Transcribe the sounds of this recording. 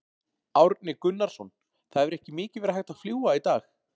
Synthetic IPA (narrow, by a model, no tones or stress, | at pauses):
awɾt̪nɪkʏnːaɾ̥sɔn | θaðɛvɪɾɛhcɪmɪːcɪvɛɾahajxt̪aðfluːwait̪aːx